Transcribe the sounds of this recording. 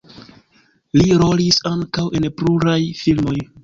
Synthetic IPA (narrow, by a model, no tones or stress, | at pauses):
liɾo̞lisaŋkawʔe̞npluɾajfilmo̞j